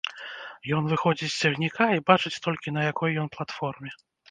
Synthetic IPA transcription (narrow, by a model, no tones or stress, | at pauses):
jɔnvɨxɔd͡zʲit͡sʲsʲt͡sʲaɣnʲikaibat͡ʂɨt͡sʲt̪ɔlʲkʲinɐjakɔjːɔnplˠat̪fɔrmʲɛ